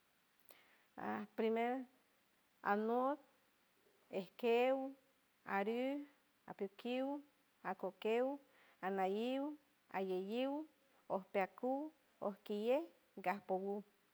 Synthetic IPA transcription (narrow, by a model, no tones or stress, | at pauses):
a̰pɾimeɾ | a̰not̪̚ | ehkew | aɾu | a̰pjukiw | akokew | anajiw | a̰jejiw | ohpeaku | ohkijeh | ɡahpowu